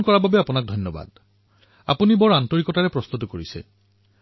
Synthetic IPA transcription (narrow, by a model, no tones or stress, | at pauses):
kɔɹababɛapunak̚dʱɔnjɔba̰d | a̰punibɔɹantɔɹikɔtaɹɛpɹɔst̪ut̬ɔkoɹisɛ̰